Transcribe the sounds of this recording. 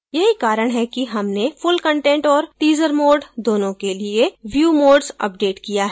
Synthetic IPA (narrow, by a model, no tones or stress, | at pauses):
jɐɦikaːɾəɽ̃ɦɛkiɦɐmnefʊlkə̃ɳʈẽɳʈɔːɾʈiːzəɾmoːɾɖd̪oːnõkelieʋjuːmoːɖzɐ̰p̚ɖeːʈkijaɦɛ